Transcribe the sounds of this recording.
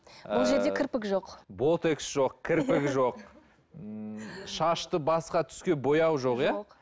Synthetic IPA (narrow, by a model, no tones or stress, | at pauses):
bʊlˠʒe̞ɾd̪ekʲʰɪɾpɪkʒoqbo̞t̪e̞ksʒo̞qkʲʰɪɾpɪkʒo̞q̚ | ʃɑʃt̪əbɑsqɑt̪ʰʏ̥skʲe̞bo̞jɑwʒo̞qja